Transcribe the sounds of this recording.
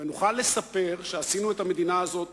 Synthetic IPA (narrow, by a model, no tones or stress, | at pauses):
venuχalːe̞sape̞ʁʃeasinue̞t̪hame̞d̪inaːzo̞t̪̚